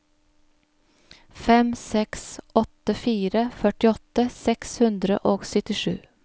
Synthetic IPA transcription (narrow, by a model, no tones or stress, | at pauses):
fɛmsɛksʔɔt̪əfiːɾəfœʈɪɔt̪əsɛkshʉnd̪ɾəʔoːɡsœt̪ɪʃʉː